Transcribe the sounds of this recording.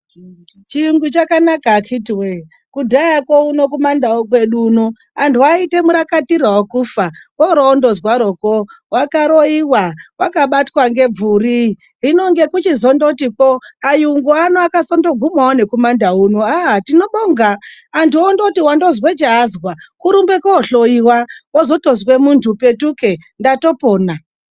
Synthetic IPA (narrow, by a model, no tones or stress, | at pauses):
t͡ʃiŋɡut͡ʃakanakakʰitiwe | kudʱajakwouno̞komandaok̬we̞ɗuno | antuaite̞muɾakatiraokufawoɾoːndo̞zwaɾo̞kowakaɾoiwawakaɓatwaŋɡe̞b͡vuri | ɦino̞ŋɡe̞kut͡ʃizo̞ndotipoajuŋɡuanoakasondo̞ɡʱumawone̞komandaɦunoatino̞ɓoːŋɡaːntʰuondotiwando̞zwet͡ʃaːzɣwakuɾumbe̞kooɬoiwaozo̞to̞zwe̞muntʰupe̞tuke̞ndato̞poːna